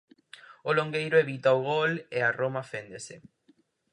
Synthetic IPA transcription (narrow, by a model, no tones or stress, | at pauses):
oloŋɡejɾʊeβit̪aoɣolearomafend̪esɪ